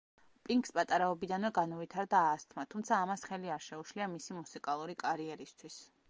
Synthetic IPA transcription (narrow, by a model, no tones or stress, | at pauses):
pʼiŋkspʼat̪ʼaɾaɔbid̪anvɛɡanɔvit̪ʰaɾd̪aːst̪ʰmat̪ʰumt̪sʰaːmasχɛliaɾʃɛuʃliamisimusikʼalˠuɾikʼaɾiɛɾist̪ʰwis